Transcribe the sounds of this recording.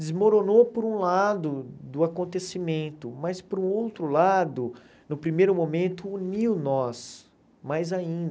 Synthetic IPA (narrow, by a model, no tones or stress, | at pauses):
d̪ɪzmoɾonopoɾũlad̪ʊd̪ʊakõnt̪esimẽnt̪ʊmɐspoɾũowt̪ɾʊlad̪ʊ | nʊpɾimejɾʊmomẽnt̪ʊːniwnɔs | majzaĩnd̪ɐ